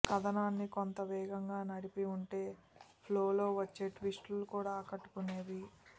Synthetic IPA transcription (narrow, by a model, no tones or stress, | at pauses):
kɐd̪ɐnaːnːikont̪ɐʋɛːɡɐŋɡaːnɐɽipiuɳʈe̞ː | pʰlo̞ːlo̞ːʋɐt͡ʃːe̞ːʈʋisʈulukuːɽaːkɐʈːu̥kuneːʋi